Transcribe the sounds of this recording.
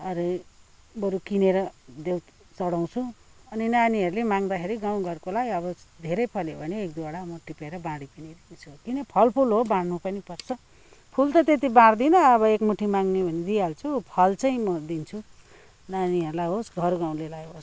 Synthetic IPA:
ʌɾe | bʌɾukineɾʌd̪ew | t͡sʌɽaw̃t͡sʰuʌninaniɦʌɾulemãŋd̪akʰeɾiɡaw̃ɡʱʌrkolaɡiʌbʌd̪ʱeɾʌjpʰʌljobʱʌneːk̚d̪uaɽamʌʈipeɾʌbãɽipʌnid̪iit͡sʰukinʌpʰʌlpʰulɦobaɽnupʌnipʌrt͡sʰʌ | pʰult̪ʌt̪et̪̬ibãɽd̪inʌːβʌekmuʈʰːimaŋnebʱʌned̪ijalt͡sʰupʰʌlt͡saĩmʌd̪int͡sʰu | naniʌɾulaɦosɡʱʌrɡãw̃lelajɦos

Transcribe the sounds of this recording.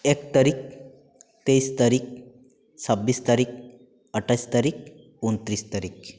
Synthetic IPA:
ek̚t̪aɾiːk̚ | t̪eist̪aɾiːk̚ | səbːiːst̪aɾiːk̚ | əʈʰajst̪aɾiːk̚ | unt̪ɾiːst̪aɾiːk

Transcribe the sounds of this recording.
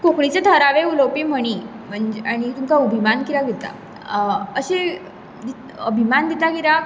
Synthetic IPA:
kokɽit͡set̪ʰəɾaʋeuləwpim̤əɽ̃i | m̤əɳd͡ʑeaɽ̃it̪umkaubʱimankiɾaɡʱit̪a̰ | əɕe | d̪i | əbʱimand̪it̪aɡiɾa

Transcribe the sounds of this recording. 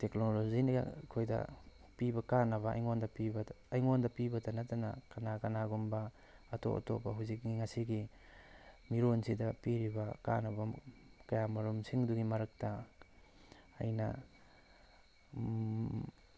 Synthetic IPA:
teknolozinḭkʰojdɐ̰ | pibɐkanɐβɐa̰jŋondɐpibɐː | jŋondɐpibɐtɐnɐtɐnɐ̰kɐnakanaɡumbɐː | to̰ʔɐ̰to̰paɦuzik̚ŋiŋasiɡi | miɾonsidɐpiɾibɐka̰nɐbɐkɐjamɐɾumsiŋduɡimɐɾɐk̚tɐ | jnɐ̰

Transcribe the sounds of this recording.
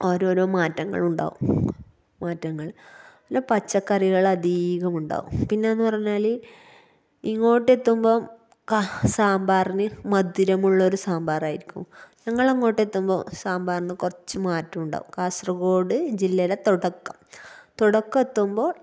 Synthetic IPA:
oɾoːɾoːmaːtːɐŋːɐ̰ɭuɳɖa̰ːʋṵm | maːtːɐŋːɐɭpinːepɐt͡ɕːɐkːɐriɣɐɭɐd̪iːɣɐmuɳɖa̰ːʋṵmpinːe̞enːupɐrɐɲːaːli | iŋːo̞ːʈːe̞t̪ːumbo̞ː | kasaːmbaːrinɨmɐd̪iɾɐmuɭːɐoɾusaːmbaːraːjiɾikʲːumɲɐŋːɐɭiŋːo̞ːʈːe̞t̪ːumbo̞̰ːsaːmbaːrnɨkurɐt͡ɕːɨmaːtːɐmuɳɖa̰ːʋṵmkaːsrɐɣo̞ːɽɨd͡ʑilːɐlet̪uɽɐkːɐmt̪uɽɐkːɨet̪ːumbo̞ː

